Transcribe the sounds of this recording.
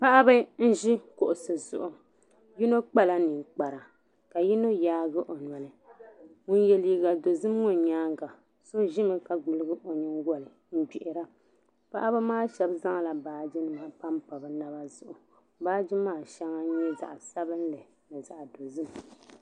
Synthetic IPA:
pa˦ʔa˦bɨ˦n̩˦ʒi˦kʊ˨ʔʊ˨sɨ˨zʊ̰˨ʔʊ˨ | ji˦no˦k͡pa˦la˦nɨ˨ŋ˨k͡pa˨ɾa˨ | ka˨ji˦no˦jaː˦ɡɨ˦ʔo˨n˨a˨lɨ˨ŋʊ˦njɛ˨liː˨˦ɡa˨do˨zɨ˦mŋʊ˨nɲaː˦ŋɡa˨ | so˦ʒɪ˦mɨ˦ka˨ɡ͡bɨ˨lɨ˦ɡɨ˦ʔo˨ɲɪ˦ŋ˦ɡɔ˦lɨ˨ | m̩˦ɡ͡bi˨ʔɪ˨ɾa˦ | pa˦ʔa˦bɨ˦maː˦ʃɛ˨bza˦ŋ˨la˨baː˨d͡ʒi˦nɨ˨ma˨pa˦mpa˨bɨ˨na˦ba˦zʊ˨ʔʊ˨ | baː˦d͡ʒi˦maː˦˨ʃa˦ŋa˦ɲɛ˦za̰˨ʔsa˦bɨ˦n˦lɨ˨ | nɨ˨za˨ʔdo˨zɨ˦m˨

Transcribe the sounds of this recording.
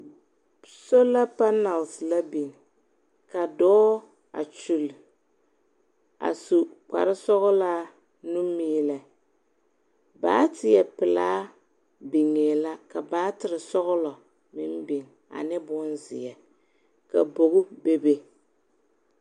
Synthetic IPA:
so˦la˦pa˦na˨lsla˦bi˨ŋ˨ | ka˨dɔː˦ | a̰˨t͡ʃu˨l | a̰˨su˨k͡pa̰˨ɾɪ˦sɔ˦ɣɔ˦laː˦ | nu˦miː˦la˨ | ba̰ː˦tɪ˨jɛ˨pɪ˨laː˦ | bi˨ŋeː˨la˦ka˨baː˦tɪ˨ɾɨ˨sɔ˦ɣʊ˦lɔ˨ | mɪ˦m˦bi˨ŋ | a̰˨nɛ˦bʊ˦nzɪ̰˨jɛ˨ | ka˨bo˨ɣʊ˦be˦be˦

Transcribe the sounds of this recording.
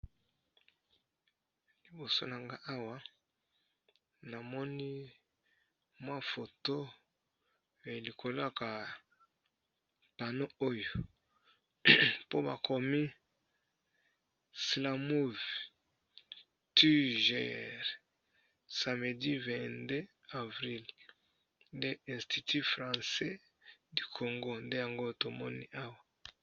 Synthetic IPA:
li˨bo˨so˦na˨ŋɡa˦ʔa˦wa˦ | na˨mɔ˦ni˦ | mwa˦fo˨to˦ | e˨li˨kʰo˨la˦ka˨ | pa˨no˦o˦jo˨ | po˦ba̰˨kʰo˨mi˦ | sla˨mu˦v | ty˦ʒɛ̰˦˨ʁ | sa˨me˨di˦vɛ̃˨nde˦ | a˨vʁi˦l | nde˦ɛ̃˨sti˨tʰi˦fʁɑ̃˨sɛ˦ | di˨kʰo˨ŋɡo˦nde˦ja˨ŋɡo˦to˨mo̰˦nḭ˦ʔa˦wa˨

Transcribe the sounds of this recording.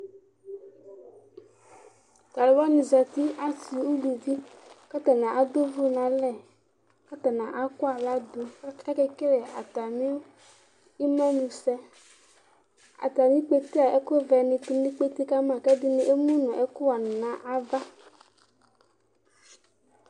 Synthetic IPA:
ta˨lɛ˨wɔ˦nĩ˨za˨t̪i˦a˦si˨wo˦lu˨vi˦kɛ˦t̪ɛ˨nã˨ʔa˨d̪o˦vo˦nã˨lɛ˨ | ka˦t̪a˨nã˨ʔa˦kɔ˦a˨la˦d̪o˨˦ɛ˦kɛ˦ke˦le˨a̰˨t̪a˨mĩ˦wo˦ | i˦mɔ̃˦mũ˨sɛ˦ | a̰˨t̪a˨mĩ˦k͡pe˦t̪e˦a˨ʔe˦ko˦vɛ˨nĩ˨tu˦nĩ˦k͡pe˦t̪i˦ka˦m˦ã˨kɛ˦di˦nĩ˨ʔe˦mũ˦nũ˨ʔe˦ko˦wa˨nũ˨nã˦ʔa˦va˦

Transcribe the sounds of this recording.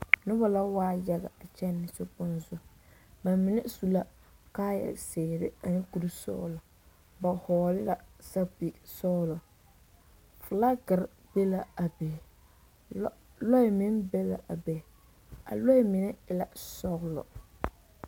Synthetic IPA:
nʊ˦ba˦la˦waː˦ja˦ɣa̰˨a˨t͡ʃɛ˦nːɪ˨sʊ˦pʊ˦nzʊ˦ | ba˨mɪ˨nɛ˦su˦la˦ | kaː˦ja̰˨seː˨ɾɪ˦a˨nɪ˦ku˨ɾi˦sɔ̰ː˦lɔ˨ | ba˨hɔː˨lɪ˦la˨sa˦pi˨sɔː˦lɔ˨ | fʊ˨la˦ɡɪ˨ɾ | be˦la˨a˨be˨˦ | lɔ˦ɪ˨mɪ˦nbɛ˦la̰˨ʔa˨be˨ | a̰˨lɔ˦ɪ˦mɪ˨nɛ˦ɪ˦la˨sɔ˦ɣlɔ̰˨

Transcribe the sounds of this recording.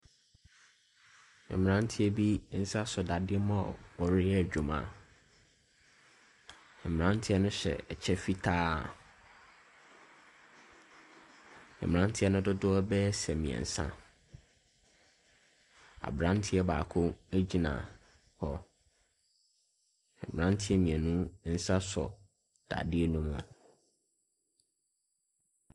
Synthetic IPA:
ɛ̰˨m˨ɾã˦n˦tʰɪ˦ɛ˦bi˦n̩˦sa˦sʊ˨da˨dɪ˦ɛ˦mã˦ɔ˨ɔ˨ɾɪ˦æ˨d͡ʑᶣu˨mã̰˦ | ɛ˨m˨ã˦n˦tʰɪ˦ɛ˦nʊ̃˦ɕɛ̰˨ɛ˨t͡ɕʰɛ˦fi˦tʰaː˦˨ | ɛ̰˨m˨ã˦ntʰɪ˦ɛ˦nʊ̃˦dʊ˦dʊ˦ɔ˦bɛ˦sɛ˨mĩ˨ɛ̰˨n̩˨sã̰˦ | a̰˨bɾã˦ntʰɪ˦ɛ˦baː˨kʰʊ̃˦æ˦d͡ʑi˦nã̰˨ | hɔ˨ | ɛ̰˨m̃˨ɾã˦ntʰɪ˦ɛ˦mĩ˨ɛ˨nũ˦n̩˦sa˦sɔ̰˨ | d̥a̰˨dɪ˦e˦nũ˦mʊ̃˨

